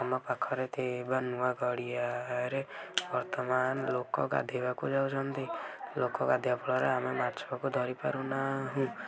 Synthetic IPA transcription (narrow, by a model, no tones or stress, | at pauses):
amapakʰːɔɾet̪ʰebənuwaɡɔɽijaɾebəɾt̪əmaːnlokɔ̰ka̰d̪ʱebakod͡ʒaud͡ʒand̪ilokɔkad̪ʱjapɔɽɔɾɛ̰amemaɾt͡ʃʰbakod̪ʱɔɾipa̰ɾunaɦũ